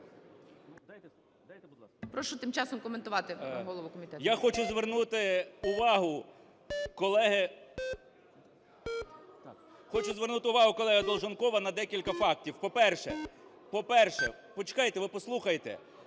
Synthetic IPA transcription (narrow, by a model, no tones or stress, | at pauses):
pɾɔʃʊt̪ɪmt͡ʃɑsɔmkɔment̪ʊʋɑt̪ɪɦɔlˠɔʋʊkɔmʲit̪ɛjaxɔt͡ʃʊzʋernut̪ɪʊʋɑɦʊ | kɔlˠɛɦɪ | xɔt͡ʃʊzʋernut̪ɪʊʋɑɦʊkɔlˠɛɦɐd̪ɔlˠʒɔnkɔʋɐnɐd̪ɛkʲilʲkɐfɑk̚tʲiwpɔpɛrʃɛ | pɔpɛrʃɛ | pɔt͡ʃɪ̥kɑjet̪ɛʋɪpɔslˠuxɐjt̪ɛ̰